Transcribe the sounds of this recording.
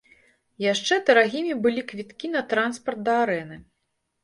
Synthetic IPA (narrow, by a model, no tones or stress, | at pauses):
jaʂt͡ʂɛd̪ɐɾaɣʲimʲibɨlʲikvʲit̪kʲinɐt̪ɾanspɐrt̪̚d̪ɐaɾɛnɨ